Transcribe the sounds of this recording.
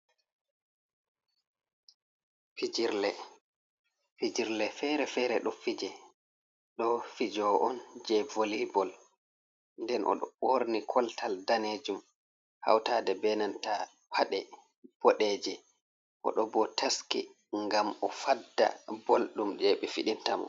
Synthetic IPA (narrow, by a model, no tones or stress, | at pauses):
fid͡ʒiɾlɛ | fid͡ʒiɾlɛfɛɾɛfɛɾɛɗɔfid͡ʒɛ | ɗɔfid͡ʒɔʔɔnd͡ʒɛvolibɔl | ndɛnʔɔ̰ɗɔɓoɾnikʰɔltʰaldaned͡ʒum | ha̰wtaːdɛbɛnanta | pʰaɗɛ | b̥ɔɗɛːd͡ʒɛ | ʔɔ̰ɗɔbɔtʰaski | ŋɡamɔfadːa̰bolɗumd͡ʒɛɓɛfiɗintamɔ̰